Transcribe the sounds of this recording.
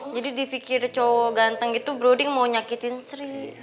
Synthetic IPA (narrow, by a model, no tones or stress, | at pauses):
d͡ʒadidifikɪrt͡ʃɔwɔɡant̪əŋɡit̪ubɾodɪŋmawɲakit̪ɪnsɾi